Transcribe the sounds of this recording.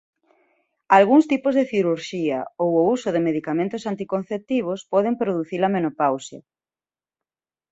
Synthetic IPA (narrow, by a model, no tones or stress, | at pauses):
alɣuŋst̪ipozðeθiɾuɾʃiɐ̰owousoðemeðikamẽnt̪ʊsant̪ikon̟θep̚t̪iβ̞ospɔðempɾoðuθilamenopawsjɐ̰